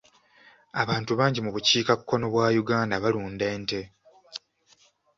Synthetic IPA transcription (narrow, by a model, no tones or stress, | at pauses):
aβaːntuβaːɲɟimuβuciːkakːo̞no̞βwaːjuɡaːndaβaluːnde̞ːnte̞